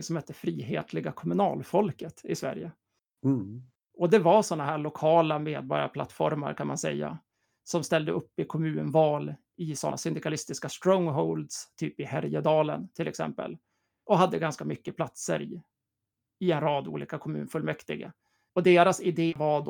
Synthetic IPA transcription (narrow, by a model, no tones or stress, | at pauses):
sɔmhɛt̪ːəfɾiːɦḛːt̪ʰlɪɡakʰɔmɵnɑ̰ːlfɔlkət̪ɪsvæ̰ɾjə | ɔd̪ɛvaʂɔnːaɦæːɭʊkʰɑːlameːd̪̚bɔɾja̰pʰla̰t̪ːfɔ̰ɾma̰ɾkʰanmansɛ̰jːa̰ | sɔmst̪ɛld̪əʔɵpːɪkʰɔmʉ̟ːnvɑːl | ɪsɔnsʏnd̪ɪkalɪst̪ɪskast̪ɾɔŋɦɔʊld̪st̪ʰyːpɪhæɾjəd̪ɑːlə̰nt̪ʰɪlɛksɛ̰mpə̰l | ʔɔɦad̪ːəɡanskamʏkːəpʰlat̪sə̰ɾɪ | ɪɛnɾɑːd̪ṵːlḭːkakʰɔmʉ̟ːnfɵlmɛkt̪ɪɡə̰ | ɔd̪eːɾasɪd̪eːvad̪